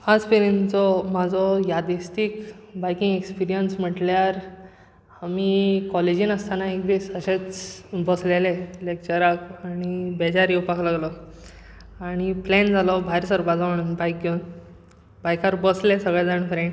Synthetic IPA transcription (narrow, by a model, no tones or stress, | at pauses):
ad͡zpeɾint͡sɔmad͡zʱɔjad̪ist̪ikbajkĩŋɡekspiɾijənsm̤əʈljaɾ | amikɔled͡ʑiːnəst̪ʰanaek̚d̪iːsəɕet͡sbəslelelek̚t͡ɕəɾakaɽ̃ibɛd͡ʑaɾiupaklaɡlɔ | aɽ̃iplɛnd͡zʱalɔbʱajɾsaɾbad͡zʱaʋɳbajk̚ɡeun | bajkaɾbəslesəɡɭed͡zaɳfɾẽɳʈ